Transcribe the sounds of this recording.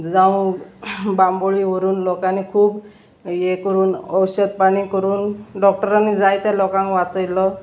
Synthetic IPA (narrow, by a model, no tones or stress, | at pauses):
d͡zãwũ | bamboɭiʋoɾuːnlɔkanːikʰuːb | jekəɾuːnəwɕəd̪̚paɽ̃ikəɾuːnɖɔk̚ʈəɾanːid͡zajt̪alɔkãŋkʋat͡səjlɔ